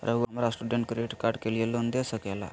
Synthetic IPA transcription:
ɾʔəʋuamɾasʈuɖəɳʈkɾieʈkaɾɖkeljelond̪esəkɛla̰

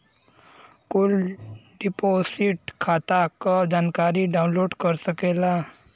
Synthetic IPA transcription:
kʊlɖɪpoːsɪʈkʰaːt̪akad͡ʒaːnkaːɾiɖaːʊ̃nloːɖkɐɾsəkeːlaː

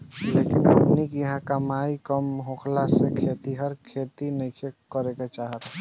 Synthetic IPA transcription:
leːkɪnə̰pnikjəɦãkamaːikəmɦoːkʰlasekʰet̪iɦəɾkʰeːt̪inəĩkʰekəɾeket͡ʃaːɦət̪

